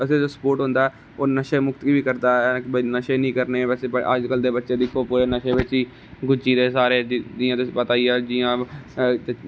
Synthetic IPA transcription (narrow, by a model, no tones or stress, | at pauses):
əseːd͡ʒoːsə̥poːɾʈɦʊ̃nd̪aːɛː | oːnəʃeːmʊkt̪kiːbiːkəɾd̪aːkbənəʃeːnĩːkəɾneːbɛːseːəə̰d͡ʒkəld̪eːbətːʃeːd̪ɪkʰːoːpuːɾeːnəʃeːʋɪt͡ʃiː | ɡʊd͡ʒiːd̪eːsaːɾeːd͡ʒiːãːt̪epət̪aːiːaːd͡ʒiːjãː | e